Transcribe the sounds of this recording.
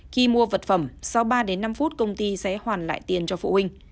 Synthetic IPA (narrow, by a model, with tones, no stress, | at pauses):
xi˧mu˧əvə˨˩t̚fə˧˩msa˨˧wɓaː˧ɗe˨˦nːa˧mfu˦˥t̚kə˧wŋ͡mt̪i˧sɛ̰˧˥hwaː˨˩nla̰ː˧˨jt̪i˨˩ənt͡ɕɔ˧fṵ˧˨hï˧ŋ̟